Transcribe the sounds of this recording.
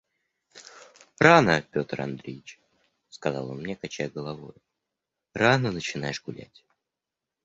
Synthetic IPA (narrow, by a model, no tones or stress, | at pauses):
ranəpʲo̞t̪rɐ̰nd̪ɾʲejɪt͡ɕ | skɐzɑ̰lˠonmnʲekɐt͡ɕæjɡəlˠɐvo̞̰jʊ | ranənət͡ɕɪnajɪʂɡʊlʲæ̰tʲ